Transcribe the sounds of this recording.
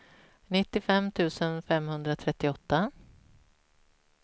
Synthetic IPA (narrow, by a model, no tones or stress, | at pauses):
nɪt̪ːɪfɛmt̪ʰʉ̟ːsənfɛmhɵnd̪ɾat̪ʰɾɛt̪ːɪɔt̪ːa